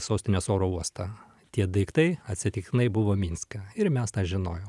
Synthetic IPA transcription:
soːsʲt̪ʲɪnʲosoːɾoːuɔst̪ɐ | t̪ʲiɛd̪ɐɪkt̪ɐɪɐt̪ʲsʲɪt̪ʲɪkt̪ʲɪnɐɪbʊʋoːmʲinʲskɐɪɾmʲɛst̪ɑːʒʲɪnoːjo

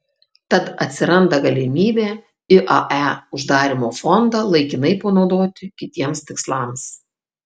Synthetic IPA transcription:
t̪ɐt̪ɐt̪ʲsʲɪɾɐnd̪ɐɡɐlʲɪmʲiːbʲeː | ɪʔɐʔæʊʒd̪ɑːɾʲɪmoːfɔnd̪ɑlˠɐɪkʲɪnɐɪpɐnɒʊd̪oːt̪ʲɪkʲɪt̪ʲiɛmst̪ʲɪkslˠɑːms

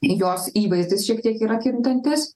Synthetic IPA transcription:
joːsiːʋɐɪzʲd̪ʲɪsʃʲiɛk̚t̪ʲiɛkiːɾɐkʲɪnt̪ɐnʲt̪ʲɪs

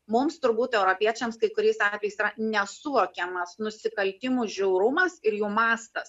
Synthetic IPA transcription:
mʊmst̪ʊɾbuːt̪ɛʊɾopʲiɛt͡ʃʲɛmskɐɪkʊɾʲɛɪsɑːt̪ʲʋʲɛjɪsiːɾɐnʲɛsʊʋoːkʲɛmɐsnʊsʲɪkɐlʲt̪ʲɪmuːʒʲɛʊɾʊmɐsɪɾjuːmɑːst̪ɐs

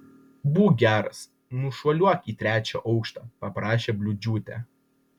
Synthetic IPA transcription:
buːɡʲæːɾɐs | nʊʃuɔlʲuɔkiːt̪ʲɾʲæːt͡ʃʲo̰ːʔɒʊkʃt̪ɑːpɐpɾɑːʃʲeːbʲlʲʊd͡ʒʲuːt̪ʲæ̰

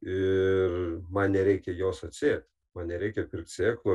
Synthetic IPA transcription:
ɪrmɐnnʲɛɾʲɛɪkʲɛjoːsɐt̪ʲsʲeːt̪ʲ | mɐnnʲɛɾʲɛɪkʲɛpʲɪrk̚t̪ʲsʲeːklˠo

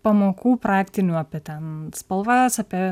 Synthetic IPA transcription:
pɐmoːkʰuːpɾɑːkt̪ʲɪnʲuːɐpʲet̪ʲɛnspɐlˠʋɑsɐːpʲi

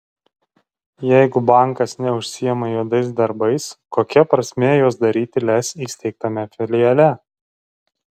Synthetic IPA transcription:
jɛˑɪɡʊbɑˑŋkɐsnʲɛʊʃʲsʲɪjɛmɐjuɔd̪ɐɪs̬d̪ɐɾbɐɪskoːkʲɛpɾɐsʲmʲeːjoːsd̪ɐɾʲiːt̪ʲɪlʲɛsiːsʲt̪ʲɛɪk̚t̪ɐmʲɛfʲɪlʲɪjɛlʲɛ

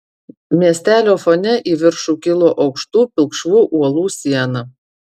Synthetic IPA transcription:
mʲiɛsʲt̪ʲæːlʲoːfonʲɛʔiːʋʲɪɾʃuːkʲɪlˠoːʔɒʊkʃt̪uːpʲɪlˠkʃʋuːʔuɔlˠuːsʲiɛnɐ

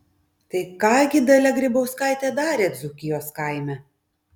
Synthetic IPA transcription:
t̪ɐɪkɑːɡʲɪd̪ɐlʲɛɡɾʲɪbɐʊskɑɪt̪ʲɛːd̪ɑːɾʲeːd̪zuːkʲɪjoːskɑˑɪmʲɛ

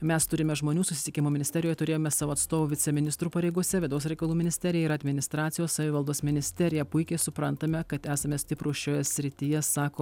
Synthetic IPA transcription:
mʲɛst̪ʊɾʲɪmʲɛʒmoːnʲuːsʊsʲɪt̪ʲɪkʲɪmoːmʲɪnʲɪsʲt̪ʲɛɾʲjojɛt̪ʊɾʲeːjoːmʲɛsɑːʋoːɐt̪st̪oːʋoːʋʲɪt̪sʲɛmʲɪnʲɪst̪ɾuːpɐɾʲɛɪɡuɔsʲɛʋʲɪd̪ɐʊs̬ʲɾʲɛɪkɐlˠuːmʲɪnʲɪsʲt̪ʲɛɾʲɪjɛɪɾɐd̪ʲmʲɪnʲɪst̪ɾɑːt̪sʲɪjoːssɐʋʲɪʋɐlˠd̪oːsmʲɪnʲɪsʲt̪ʲɛɾʲɪjɛpʊɪkʲɛɪsʊpɾɐnt̪ɐmʲɛkɐt̪æːsɐmʲɛsʲt̪ʲɪpɾuːʃʲoːjɛsʲɾʲɪt̪ʲɪjɛsɑːkoː

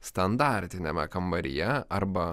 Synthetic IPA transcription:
st̪ɐnd̪ɑˑɾʲt̪ʲɪnʲɛmʲɛkɐmbɐɾʲɪ̰jɛʔɐɾbɐ

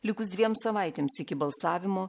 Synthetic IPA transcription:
lʲɪkʊsd̪ʋʲiɛmsɐʋɐˑɪt̪ʲeːmsɪkʲɪbɐlˠsɑːʋʲɪmoː

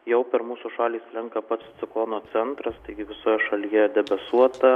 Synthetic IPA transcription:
jɛʊpʲɛɾmuːsuʃɑːlʲiːslʲɪŋkɐpɐt̪st͡s̪ʲɪklˠoːnoːt͡s̪ʲɛnt̪ɾɐst̪ɐɪɡʲɪʋʲɪsoːjɛʃɐlʲijɛd̪ʲɛbɐsuɔt̪ɐ

